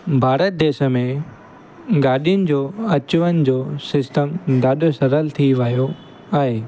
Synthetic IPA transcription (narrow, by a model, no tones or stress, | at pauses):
bʱaːɾət̪̚d̪eːʃə̆mẽ | ɡaːɗijʊnɪ̆d͡ʑoːɐt͡ɕʊʋənɪ̆d͡ʑoːsɪsʈəmd̪aːɗosɐɾəlt̪ʰiʋɐːjo | aːɦeː